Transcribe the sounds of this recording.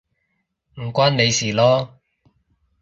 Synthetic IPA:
m̩˨˩kʷaː˥nne˨˧jsiː˨˩lɔː˥

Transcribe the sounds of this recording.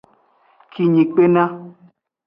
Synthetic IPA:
kʰi˨ɲĩ˨k͡pe˦nã˦

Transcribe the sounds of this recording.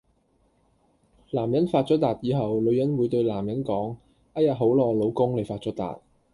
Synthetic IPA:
laː˨˩mjɐ˨˥nfaː˧t̚t͡ʃɔː˨˥t̪aː˨t̚jiː˨˧ɦɐ˨wlɵ˨˧ɥjɐ˨˥nwuː˨˧jt̪ɵ˧ɥlaː˨˩mjɐ˨˥nkɔː˨˥ŋ | ʔa˥jɐ˨t̚ɦo˨˥wlɔː˧˩lo˨˧wkʊ˥ŋle˨jfaː˧t̚t͡ʃɔː˨˥t̪a̰ː˨t̚

